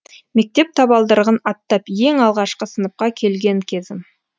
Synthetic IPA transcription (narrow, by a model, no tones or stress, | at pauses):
me̞k̚t̪e̞p̚t̪ʰɑβɑlˠd̪əɾʁənɑt̪ːɑpje̞ŋɑlˠʁɑʃqəsənəp̚qɑkʲʰe̞lɡʲe̞ŋkʲʰe̞zɪm